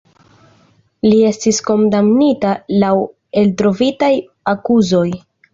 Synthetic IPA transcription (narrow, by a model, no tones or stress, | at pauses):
lie̞stisko̞ndamnitalaw | e̞ltɾo̞vitaj | akuzo̞j